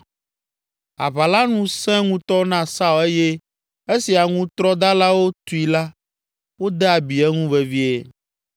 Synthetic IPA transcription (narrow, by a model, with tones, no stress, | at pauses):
a̰˨βa˨la˦nũ˦sɛ̃˦ŋũ˦t̪ɔ˦nã˦sa˦we˦je˦ | e˦si˨a˨ŋũ˦t̪ɾɔ˦d̪a˦la˦wo˦t̪u˨i˨la˦ | wo˦d̪ɛ˦a˨bi˨ɛ˦ŋũ˦ve˨vi˦e˦